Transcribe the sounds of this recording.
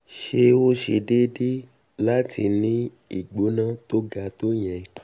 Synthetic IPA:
ʃe˧wo˦ʃe˧de˦de˦ | la˦tʰi˧nĩ˨˦ | ḭ˦˨ɡ͡bo˨˦nã˦˨to˦ɡa˧˦to˦j̃ɛ̃˨

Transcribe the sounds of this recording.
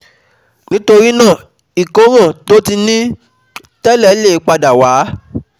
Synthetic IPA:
nĩ˦to˧ɾi˦nãː˦˨ | i˨ko˨˦ɾ̃ã˦˨to˦ti˧nĩ˦ | tɛ˦lɛ˦le˦˨˦k͡pa˧da˨waː˨˦

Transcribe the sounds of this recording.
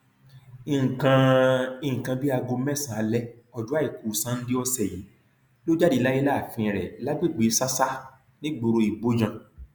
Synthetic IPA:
i˨kã˧i˧˨kã˧bi˦a˧ɡo˧mɛ˦˨sã˨a˧lɛ˦ | ɔ˨du˨˦a˦˨i˨ku˨sã˨˦n̩˦di˦ɔ˧sɛ˨ji˨˦ | lo˦d͡ʒa˦di˧la˦i˦la˦˨fĩ˧˨ɾɛ˨la˦ɡ͡bi˦˨ɡ͡bi˨˦sa˦sa˦ | nĩ˦ɡ͡bo˧ɾo˧i˨bo˦d͡ʒã˨

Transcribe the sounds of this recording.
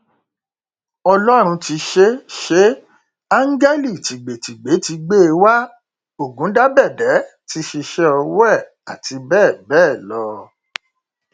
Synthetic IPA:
ɔ˧lɔ˦ɾ̃ũ˧ti˧ʃe˦ʃe˦ | a˦ŋ̩˦ɡe˦li˦˨ti˨ɡ͡be˨ti˨ɡ͡be˨˦ti˧ɡ͡be˦e˧wa˦ | o˦˨ɡũ˨˦da˦bɛ˦˨dɛ˨˦ti˧˦ʃi˧ʃɛ˦ɔ˧wɛ˦˨ | a˨ti˧bɛː˦˨bɛː˦˨lɔ˧

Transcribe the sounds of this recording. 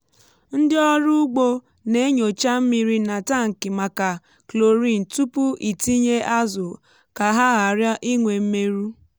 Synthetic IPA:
n̩˦dɪ˦ɔ˦ɾʊ˦ɡ͡bo˦ | ne˦ɲo˨t͡ʃa˦m̩˦mi˦ɾi˦na˨ta˦˨ŋ̩˨kɪ˨ma˨ka˨ | klo˨ɾi˦˨n̩˨tu˦pu˦i˨ti˦ɲe˦ʔa˦zʊ˨ | ka˨ɦa˦ɣa˨ɾjɔ˦ʔi˦ŋʷe˨m̩˦me˦ɾu˦

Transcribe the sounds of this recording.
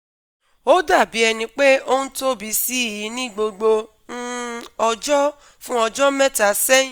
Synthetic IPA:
o˦da˦˨bi˨˦ɛ˧nĩ˧k͡pe˦o˦nũ˦to˦bi˨˧˦si˦˨ji˨˦nĩ˦ɡ͡bo˧ɡ͡bo˧ | n̩˦ɔ˧d͡ʒɔ˦ | fũ˦ɔ˧d͡ʒɔ˦mɛ̃˦ta˨sɛ̃˦

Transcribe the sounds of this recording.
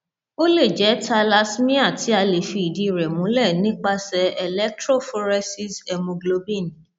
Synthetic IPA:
o˦le˦˨d͡ʒɛ˨˦tʰa˧la˧smĩ˦a˦˨ti˨˦a˧le˨fi˧i˨di˨˧˨ɾɛ˨mũ˨˦lɛ˦˨nĩ˨˦k͡pa˧sɛ˧ɛ˧lɛ˦k̚tɾo˦˨fɔ˧ɾɛ˧si˦sɛ˧mũ˧ɡlo˦bi˦˨nĩ˨

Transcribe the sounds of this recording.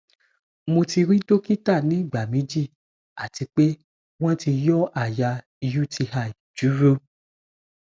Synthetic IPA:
mo˧ti˧ɾi˦do˦ki˦ta˦˨nĩ˨˦˨ɡ͡ba˨mĩ˨˦d͡ʒi˦˨ | a̰˨ti˨˧k͡pe˦ | w̃ɔ̃˦ti˧jɔ˦a˦˨ja˧ | ju˦tʰi˧ha˧˨i˨d͡ʒu˨˦ɾo˦

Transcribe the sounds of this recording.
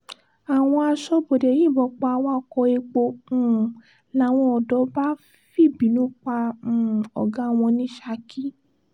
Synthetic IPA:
a˨w̃ɔ̃˧a˧ʃɔ˧bo˨de˨jĩ˦˨bɔ˧˦k͡pa˧a˧wa˦˧kɔ˧e˧k͡po˧ũ˨ | la˨˦w̃ɔ̃˧ɔ˨dɔ˨˦ba˦ | fi˦˨bi˨˦nũ˨˦k͡pã˧˨ | ɔ̰˨ɡã˨˦˨w̃ɔ̃˧nĩ˦ʃa˧ki˦

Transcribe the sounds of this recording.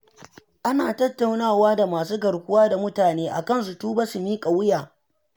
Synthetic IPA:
ʔa˦naː˨tɐ˦tːa˨wnaː˦˨waː˦da˨maː˨suː˦ɡɐ˨ɽkʷʊ˦waː˦da˨mʊ˦taː˨neː˦ʔa̰˨kɐ˦˨ns̬u˨tuː˦baː˦su˨miː˦kʼa˨wʊ˦jaː˨

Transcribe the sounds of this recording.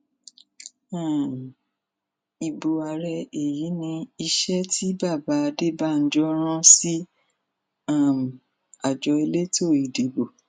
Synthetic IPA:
ã˦˨ | i˧bo˧a˧ɾɛ˧e˨ji˨˦nĩ˧i˧ʃɛ˦tʰi˦ba˦˨ba˨˦a˧de˦ba˦˨n̩˦d͡ʒɔ˦ɾ̃ã˦si˦ | a˦˨m˨ | a˨d͡ʒɔ˨˧˦e˧le˦to˦˨i˨di˨˦bo˨

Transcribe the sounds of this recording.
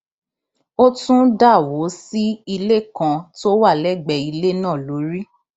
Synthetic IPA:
o˦tũ˦da˦˨wo˨˦si˦i˧le˦kã˧to˦wa˦˨lɛ˦˨ɡ͡bɛ˧˨i˧le˦nãː˦˨lo˨˦ɾi˦

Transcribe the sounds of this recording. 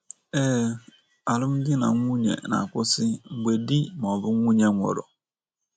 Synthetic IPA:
ɛː˦ | a˨lʊ˦m̩˦ɡɪ˦na̰˨ŋʷu˦ɲḛ˨na̰˨kʷʊ˦sɪ˦ŋ͡m̩˨ɡ͡be˨di˦m˨ɔ˨bʊ˦ŋʷu˦ɲe˦ŋʷɔ̰˨ɾɔ̰˨

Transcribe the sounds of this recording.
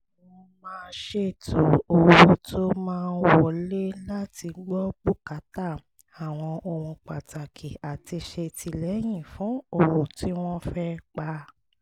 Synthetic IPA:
ɔ̃˧mãː˧nʃe˧˨tʰo˨o˨wo˧tʰo˦mãː˦˧˦wɔ˦˨le˦la˦ti˧ɡ͡bɔ˦ɡ͡bu˦ka˨˦ta˦˨ | a˨w̃ɔ̃˧o˧˨hũ˧k͡pa˨ta˨kʰi˨a˨ti˧ʃe˧tʰi˧lɛ˨˦j̃ĩ˦˨fũ˨˦o˦˨hũ˨ti˦w̃ɔ̃˦fɛ˦k͡pa˧

